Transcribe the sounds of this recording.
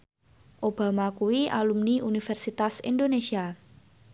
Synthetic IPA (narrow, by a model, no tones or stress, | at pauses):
ʔob̥a̤makuwia̰lumniʔunifɛrsit̪asḭndonesia